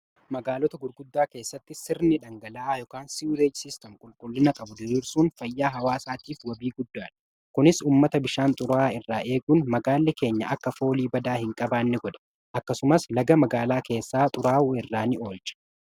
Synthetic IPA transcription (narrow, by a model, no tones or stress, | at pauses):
mɐɡaːlɔt̪ɐɡʊɾɡʊd̪ːaːke̞ːsːɐt̪ːɪsɪɾnɪᶑɐŋɡɐlaːaːjɔːkaːnsiuɾeːd͡ʒsɪst̪ɛmkʼʊlkʼʊlːɪnɐkʼɐbʊd̪ɪɾiːɾsuːnfɐjːaːɦɐwaːsaːt̪iːfwɐbiːɡʊd̪ːaːᶑɐ | kʊnɪsuːmːɐt̪ɐbɪʃaːnt̪ʼʊɾaːɪrːaːʔe̞ːɡunmɐɡaːlːɛke̞ːɲːɐɐkːɐfo̞ːliːbɐd̪aːhɪŋkʼɐbaːnːɪɡɔᶑ̪ɐ̥ | ʔɐkːɐsʊmɐslɐɡɐmɐɡaːlaːke̞ːsːaːt̪ʼʊɾaːʔʊɪrːaːnɪʔo̞ːlt͡ʃʼɐ̥